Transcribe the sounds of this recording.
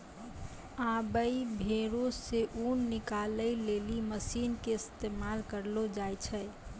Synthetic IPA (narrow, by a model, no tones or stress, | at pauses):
ãbəibʱeɾosseʔunːɪkaləileːliməsiːnkeɪst̪eːmaːlkəɾlod͡ʒajt͡ʃʰɛ